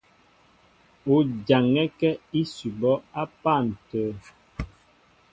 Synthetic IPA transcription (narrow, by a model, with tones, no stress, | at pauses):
o˨d͡ʒa˨ŋɛ˦kɛ˦i˦su˨bɔ˦a˦pa˦˨n̩˨tə˨